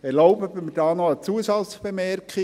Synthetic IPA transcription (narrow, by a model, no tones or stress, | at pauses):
ɛɾloʊbœbəməd̥ɑːnoət͡suəsɑsb̥emɛrkχi